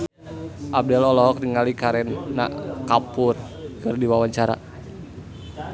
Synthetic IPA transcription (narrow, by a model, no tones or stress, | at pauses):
ʔab̚dɛlɔlɔɦɔk̚niŋalikaɾɛnːa̰ʔkapʊr | kɨrdiwawaɲt͡ʃaɾa̰